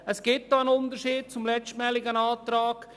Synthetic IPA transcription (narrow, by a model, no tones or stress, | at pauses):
əsɡ̥ɪt̚dɔənʊnd̪əɾʃiːd̚t͡sʊmlɛt͡stmɛːlɪɡənɑːt̪ɾɑːɡ̥